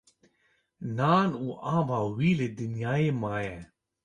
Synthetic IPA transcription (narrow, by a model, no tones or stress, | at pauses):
naːnuːʔãːvaːwiːlɨd̪ɨnjaːjeːmaːjɛ